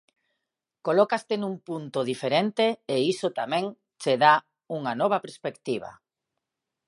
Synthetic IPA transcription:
kolɔkast̪enumpunt̪oðifeɾent̪eeisot̪amɛ̃ŋ | t͡ʃeða | uŋanɔβɐpeɾspekt̪iβa̰

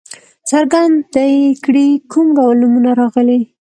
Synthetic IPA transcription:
t͡saɾɡand̪d̪əjkɽikʰumɡawlnːumunaɾɑɣəli

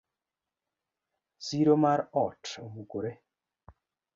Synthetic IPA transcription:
siɾomaɾɔtobukoɾe

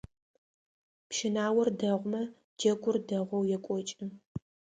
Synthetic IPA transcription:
pʃɪnaːwɐrdɐʁʷmɐ | d͡ʒɐɡʷʊrdɐʁʷɔwjɛkʷʼɔt͡ʃʼɪ

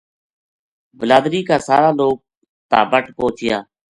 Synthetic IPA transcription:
bəlaːd̪ɾiːkaːsa̰ːɾaːloːɡ̚ | t̪aːbəʈpõːt͡ʃʰɪjaː

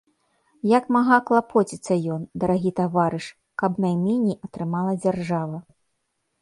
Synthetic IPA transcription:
jɐkmaɣaklˠapʰɔt͡sʲit̪sːɐjɔnd̪ɐɾaɣʲit̪avaɾɨʂ | kɐbnajmʲinʲijɐt̪ɾɨmalˠɐd͡zʲarʐavɐ

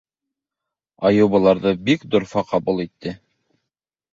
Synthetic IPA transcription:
ɑjŏwβɤ̆lˠɑɾðɤbikd̪ŏɾfɑqɑbulˠit̪ːɘ

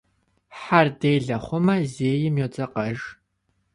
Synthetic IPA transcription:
ħardeːjɮɐχʷʊmɐzeːjɪmjot͡sʼɐqɐʒ

